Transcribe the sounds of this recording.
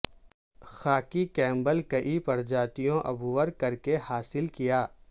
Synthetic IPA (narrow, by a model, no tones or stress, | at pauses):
xaːkikɛ̃ːmbəlkɐʔipɐɾd͡ʒaːt̪ijõʔɐ̰bʱuʋəɾkɐɾkehaːsɪlkijaː